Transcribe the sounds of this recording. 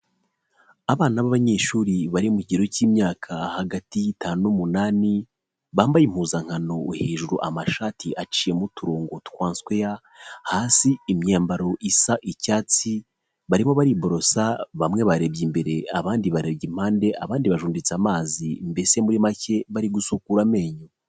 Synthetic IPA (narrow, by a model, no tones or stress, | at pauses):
aβaːnaβaβaɲe̞ʃuːɾiβaɾimuciɾo̞ciːmɲaːkʰahaɡatitaːnuumunaːni | βaːmbajim̥huzaŋ̥hano̞uheːʒuɾuʔamaʃaːtʰiʔat͡ʃiːje̞mutuɾoːŋɡotu̥kwaːnswe̞ja | haːsiːmɲaːmbaɾo̞ʔisaʔicaːt͡si | βaɾimo̞βaɾibo̞ɾo̞saβamŋe̞βaɾe̞bɟimbe̞ɾe̞aβaːndiβaɾe̞bɟim̥haːnde̞ʔaβaːndiβaʒuːndit͡samaːzimbe̞se̞muɾimace̞βaɾiɡusukuɾame̞ːɲo